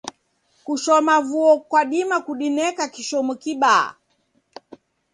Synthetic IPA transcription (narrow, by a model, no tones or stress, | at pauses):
kuʃɔmavuɔkwaɗimakuɗinɛkakiʃɔmukiɓa̰